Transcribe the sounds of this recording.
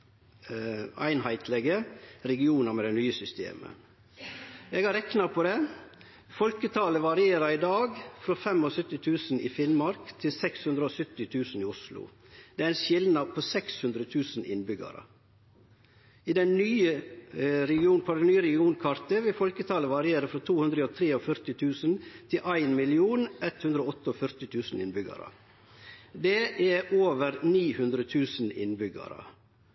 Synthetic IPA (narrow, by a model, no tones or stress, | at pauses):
æ̰ɪnhæɪt̪ʰlɛɡəɾɛɡɪuːnɑmɛd̪ɛɪnyːəsʏst̪ḛːmə̰ | eːɡɑɾɛknɑpʰoːd̪ɛ | fɔlkət̪ʰɑːləʋɑɾɪeːɾɑɾɪd̪ɑːɡfɾofɛmosœt̪ːɪt̪ʰʉːsn̩ḭːfɪnmɑɾkt̪ʰɪlsɛkshʉnd̪ɾəosʏt̪ːɪt̪ʰʉːsn̩iːʊslʊ̰ | d̪̥ɛæɾɪnʃɪlnɑd̪̚pʰoːsɛkshʉnd̪ɾət̪ʰʉːsn̩ɪ̰nbʏɡɑ̰ɾə̰ | iːd̪ɛnnyːə | ɾɛɡɪuːnpʰɔd̪ɛnyːəɾɛɡɪuːnkʰɑɾt̪əʋɪlfɔlkət̪ʰɑːləʋɑɾɪeːɾəfɾɔt̪ʰuːhʉnd̪ɾəoːt̪ʰɾeːoːfœɾt̪ɪt̪ʰʉːsən̩t̪ʰɪlʔæɪnmɪlɪuːnʔɛt̪hʉnd̪ɾəoːɔt̪ːəofœɾt̪ɪt̪ʰʉːsn̩ɪnbʏɡɑ̰ɾə̰ | d̪eːʔæʔoːʋəɾniːhʉnd̪ɾət̪ʰʉːsən̩ɪ̰nbʏɡɑ̰ɾə̰